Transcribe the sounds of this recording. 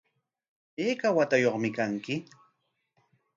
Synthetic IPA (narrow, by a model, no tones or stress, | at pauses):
eːkawat̪ajoχmɪkaŋkɪ